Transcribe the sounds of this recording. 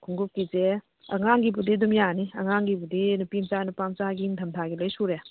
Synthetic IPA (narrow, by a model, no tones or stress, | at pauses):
kʰuŋɡup̚kize | ɐ̰ŋaŋɡibudidumjaniɐŋaŋɡibudinupimt͡ʃanupamt͡ʃaɡiŋtʰɐmtʰaɡilɐjsuɾe